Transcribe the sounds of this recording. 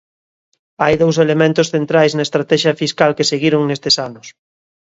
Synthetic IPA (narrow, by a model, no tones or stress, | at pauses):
ajðows̬elemẽnt̪ʊsθent̪ɾajznaest̪ɾat̪ɛʃjɐfiskalkeseɣiɾoŋnest̪esanʊs